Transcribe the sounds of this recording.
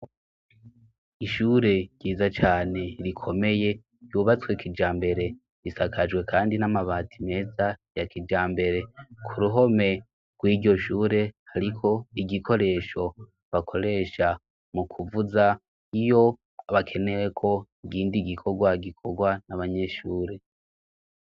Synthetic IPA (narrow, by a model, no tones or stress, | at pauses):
iʃuːɾe̞ɟ̥iːzat͡ʃaːne̞ɾikʰo̞me̞je̞ | juːβat͡swekid͡ʒaːmbe̞ɾe̞ | ɾisakʰad͡ʒɡwe̞kʰaːndinamaβaːtʰime̞ːzajakid͡ʒaːmbe̞ɾe̞kʰuɾuɦo̞me̞ | ɡ̥wiːɾɟo̞ʃuːɾe̞haɾikʰo̞iɡiko̞ɾe̞ːʃo̞ | βakʰo̞ɾe̞ːʃa | mukʰuvuza | ijo̞ | βakʰe̞ne̞we̞kʰo̞iɡiːndiɡikʰo̞ɡwaɡikʰo̞ɡwanaβaɲe̞ʃuːɾe̞